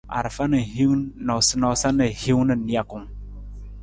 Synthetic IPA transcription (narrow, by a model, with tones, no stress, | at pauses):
a̰˨ɾə˨fa˦nə˨ɦi˦wnɔ˨sə˦nɔ˦sa˦nə˨hi˦wnə˨ni˦a˨ku˨ŋ